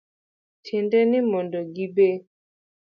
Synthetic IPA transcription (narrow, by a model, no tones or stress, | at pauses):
tʰɛndɛnimɔndɔɡibe